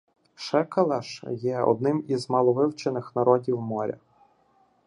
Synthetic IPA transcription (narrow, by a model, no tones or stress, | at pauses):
ʃɛkɐlˠɑʃjɛɔ̰d̪nɪmizmɑlˠɔʋɪwt͡ʃenɪxnɐɾɔdʲiwmɔɾʲɐ̰